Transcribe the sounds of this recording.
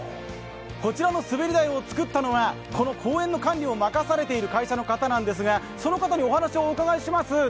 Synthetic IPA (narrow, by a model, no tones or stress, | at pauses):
ko̞t͡ɕiɾano̞sɨbe̞ɾʲid̪aio̞t͡sɨ̥kɯ̟t̪ːano̞βa | ko̞no̞kʰoːẽ̞nːo̞kãɲʲɾʲio̞makasaɾe̞t̪e̞iɾɯ̟kaiɕano̞kat̪anãnd̪e̞s̬ɨɡa | so̞no̞kat̪aɲ̟io̞hanaɕio̞ːkaɡaiɕimasɨ